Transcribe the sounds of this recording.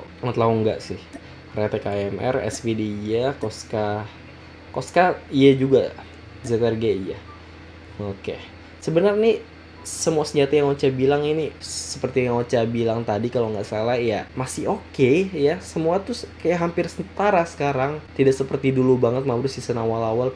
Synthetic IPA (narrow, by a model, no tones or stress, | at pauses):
ŋət̪lauŋɡa̰ʔsɪh | ret̪ekaɛmʔɛ̰rɛ̰sfedeijakoska | koskaijad͡ʒuɡa | izɛt̪ɛrɡeija | oke | səbənərni | səmuasəɲd͡ʒat̪ajaŋot͡ʃabilaŋinisə̥pərt̪ijaŋot͡ʃabilaŋt̪adikaloŋɡaʔsalahjamasɪɦokejasəmuat̪ʊkajaʔɦampɪrsənt̪aɾasə̥kaɾaŋt̪idaʔsəpərt̪idulubaŋət̪̚mauɾʊsisənawalawal